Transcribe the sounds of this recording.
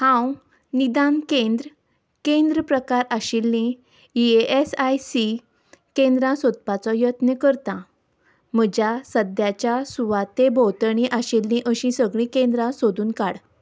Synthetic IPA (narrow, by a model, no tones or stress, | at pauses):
hãw | nid̪ankẽnd̪ɾə | kẽnd̪ɾəpɾəkaɾaɕilːĩ | ieʔesajsi | kẽnd̪ɾãsod̪̚pat͡sɔjət̪nekəɾt̪ã | m̤əd͡ʑjasəd̪jat͡ɕjasuʋat̪ebʱowt̪əɳĩʔaɕilːĩʔəɕĩsəɡɭĩkẽnd̪ɾãsod̪uːnkaɽ